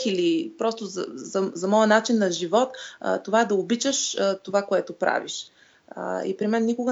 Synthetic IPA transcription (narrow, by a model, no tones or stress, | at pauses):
ilipɾɔst̪ʊz̰zɐzɐmɔjənat͡ʃinːɐʒivɔt̪t̪ːovaɛd̪ɐobit͡ʃəʃt̪ovakoɛt̪opɾa̰vḭʃ | ə̰ḭpɾimɛnːikʊɡə